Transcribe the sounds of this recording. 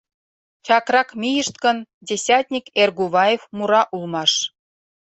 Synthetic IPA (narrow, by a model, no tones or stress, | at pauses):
t͡ɕɑkrɑkmʲijəʃt̪ɡəndʲesʲɑt̪ʲnʲikerɣuβɑjefmuɾɑʔulmɑʃ